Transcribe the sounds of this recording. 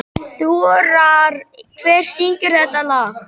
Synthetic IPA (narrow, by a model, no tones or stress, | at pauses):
θuɾaɾkʰvɛːɾ̥siɲcʏɾ̥θɛht̪ːala